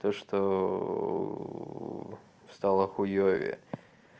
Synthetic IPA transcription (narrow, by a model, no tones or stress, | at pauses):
t̪oʂt̪o̰ | st̪alˠəxʊjovʲɪ̰